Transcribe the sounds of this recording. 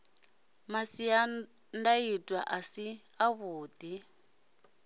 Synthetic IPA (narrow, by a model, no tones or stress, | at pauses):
masia | ndaitʼwaʔasi | aβuːd̪i